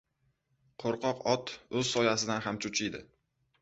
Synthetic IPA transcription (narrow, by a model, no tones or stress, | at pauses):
qʰoɾqɒqɒt̪ʰɵzsɒjasɪd̪anhamt͡ʃʰʊt͡ʃʰɪjd̪ɪ